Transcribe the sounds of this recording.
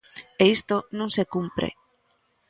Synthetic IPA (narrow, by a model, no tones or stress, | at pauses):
eist̪onũŋsekumpɾḛ